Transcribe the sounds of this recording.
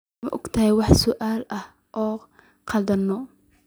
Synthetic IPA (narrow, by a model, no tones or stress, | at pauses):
ɐʔɔɡt̪ʰɐhɛjwɑħsɔʔaːlɐh | ʔɔː | qʰɑd̪ɐnːɔ